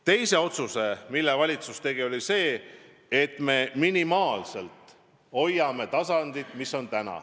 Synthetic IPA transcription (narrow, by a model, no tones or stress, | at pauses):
t̪e̞jse̞o̞t̪suse̞milːevɑlʲit̪sust̪e̞ɡ̥io̞lʲise̞ː | et̪ːˑme̞ːminimɑːlse̞lt̪ˑ | o̞jːɑme̞t̪ɑsɑnd̪̥it̪ˑmisːo̞nt̪ænɑ̰